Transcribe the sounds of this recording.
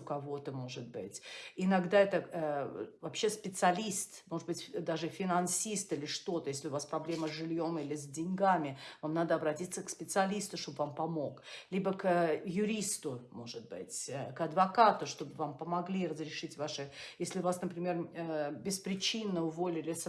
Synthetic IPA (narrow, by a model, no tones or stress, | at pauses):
ʊkɐvo̞t̪əmo̞ʐɨt̪̚bɨtʲɪnɐɡd̪aɛt̪ə | vɐpɕːespʲɪt̪sɨɐlʲist̪moʐɨd̪bɨtʲd̪aʐɨfʲɪnɐnsʲist̪ɨlʲɪʂt̪o̞t̪əjesʲlʲɪʊvaspɾɐblʲe̞məzʲʐɨlʲjo̞milʲɪzʲdʲɪnʲɡamʲɪvamnad̪əɐbɾɐtʲit̪səkspʲɪt̪sɨɐlʲist̪ʊʂt̪o̞bəvampɐmo̞klʲibəkəjʊɾʲist̪ʊmo̞ʐɨt̪̚bɨ̰tʲkɐd̪vɐkat̪ʊʂt̪o̞bɨvampəmɐɡlʲirəzɾʲɪʂɨtʲvaʂɨjesʲlʲɪʊvasnəpɾʲɪmʲe̞rəbʲɪspɾʲɪt͡ɕinːəʊvo̞lʲɪlʲɪs